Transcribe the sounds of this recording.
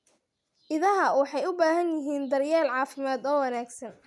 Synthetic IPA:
ʔɪðɐɦɐwɑħɑjʊbaːɦɐnjɪɦiːnd̪ɐrjaːlʕɑːfɪmaːd̪ɔːwɑnaːɡsɐn

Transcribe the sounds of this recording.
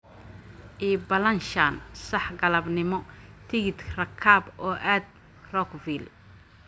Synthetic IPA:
ʔiːbɐlɐnʃɐːnsɐħɡɐlɐbnɪmɔt̪ʰɪɣɪt̪rɐkʰaːbɔːʔaːd̪̚ | rɔkvil

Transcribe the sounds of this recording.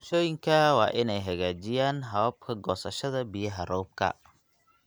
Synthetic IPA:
ʃɔːjɪŋkʰɐwɑ̰ːʔɪnɛjɦɐɣaːt͡ʃɪjaːnɦɐβɐb̚kʰɐɡɔːsɐʃɐðɐbɪjɐɦɐrɔwb̚kʰɐ̰

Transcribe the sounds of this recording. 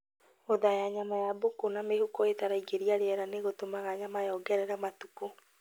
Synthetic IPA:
oðajaɲamajabokonamehokɔetaɾaiɡeɾiaɾeɛɾaneɣotomaɣaɲamajɔɡɛɾɛɾɛmatuko

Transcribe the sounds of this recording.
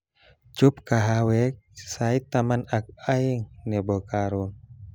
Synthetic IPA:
t͡ʃup̚kaɦawɛk̚sait̪amanak̚aiŋnɛbɔkaɾun

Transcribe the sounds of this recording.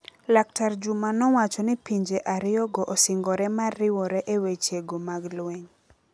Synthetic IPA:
lak̚taɾd͡ʒumanɔwat͡ʃɔnɪpiɲd͡ʒeʔaɾɪɔɡɔʔosɪŋɡɔɾɛmarːɪwɔɾɛʔewet͡ʃeɡomaɡlweɲ

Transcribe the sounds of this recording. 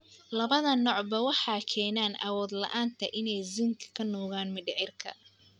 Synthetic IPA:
lɐβɐðɐnɔːʕbɐwɑħɑːkʰɛːnaːnʔɐ̰wɔːd̪lɐ̰ʔaːnt̪ʰɐʔɪnɛjzɪŋkʰɐ̥kʰɐnɔːɣaːnmɪɖɪʕɪrkʰɐ̰

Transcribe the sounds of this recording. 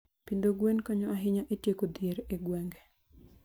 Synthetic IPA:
pind̪oɡwenkɔɲɔaɦɪɲaʔetjekod̪jeɾeɡwɛŋɡɛ

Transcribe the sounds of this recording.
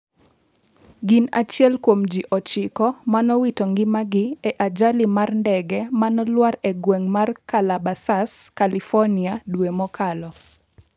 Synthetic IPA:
ɡɪna̰t͡ʃjɛlkwomd͡ʒiʔɔt͡ʃɪkɔmanɔwitɔŋɡɪmaɡɪɛʔad͡ʒalɪmarndɛɡɛmanɔlwaɾɛɡwɛŋmarkalabasaskalifɔniadwemɔkʰalɔ

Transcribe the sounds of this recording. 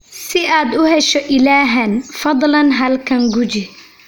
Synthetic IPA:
sɪaːd̪ʊɦɛʃɔʔɪlaːɦɐnfɐd̪ˤlɐnɦɐlkʰɐŋɡʊt͡ʃɪ

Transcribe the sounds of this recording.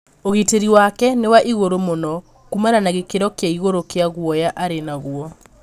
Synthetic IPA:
oɣiteɾiwakɛnewaʔiɣoɾomonɔ | kumananaɣekeɾɔkeaiɣoɾokeaɣwɔjaʔaɾenaɣwɔ

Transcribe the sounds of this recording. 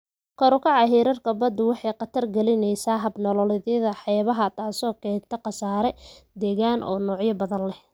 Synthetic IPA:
kʰɔɾʊkʰɑʕɑɦɛːɾɐrkʰɐbɐd̪ʊwɑħɑjqɑt̪ʰɐrɡɐlɪnɛjsaːɦɐbnɔlɔlɪðɐðɐħɑjβɐɦɐt̪ʰaːsɔːkʰɛːnt̪ʰɐqɑsaːɾɛd̪ɛːɣaːnʔɔ̰ːnɔːʕjɐbɐðɐnlɛh

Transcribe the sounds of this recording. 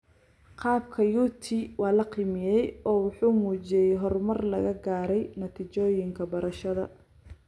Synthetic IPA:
qɑːb̚kʰɐjuːt̪ʰiwɑːlɐqiːmɪjɛjɔːwʊħuːmuːt͡ʃɛjɛjɦɔrmɐrlɐ̰ɣɐɡaːɾɛjnɐt̪ʰit͡ʃɔːjɪŋkʰɐbɐɾɐʃɐðɐ̰

